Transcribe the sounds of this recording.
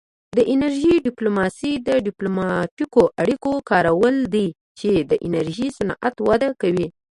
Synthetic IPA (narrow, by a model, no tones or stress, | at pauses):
d̪əʔɪnaɾʒiɖɪplomɑsid̪əɖɪplomɑʈikoʔaɽikokɑɾawəld̪i | t͡ʃed̪əʔɪnaɾʒisanɑ̰ʔat̪wad̪akawi